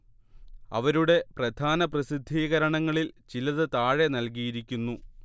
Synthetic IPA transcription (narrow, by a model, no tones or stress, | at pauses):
ɐ̰ʋɐɾuɽe̞prɐd̪ʱaːnɐprɐsid̪ʱːiːɣɐɾɐɳɐŋːɐɭilt͡ɕilɐðɨt̪aːɻenɐlkijiɾikʲːunːu